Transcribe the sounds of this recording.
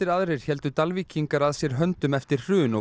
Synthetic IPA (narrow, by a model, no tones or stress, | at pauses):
ɪɾaðɾɛɾ̥çɛl̪t̪ʏt̪alvicʰiŋkaɾaðsjɛɾ̥ɦœnt̪ʏmɛft̪ɪɾ̥r̥ʏːnɔ